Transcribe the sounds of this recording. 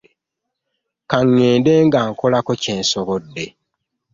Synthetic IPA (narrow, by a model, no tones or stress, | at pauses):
kaŋːeːndeːŋɡaːŋkolakoce̞ːnsoβodːe̞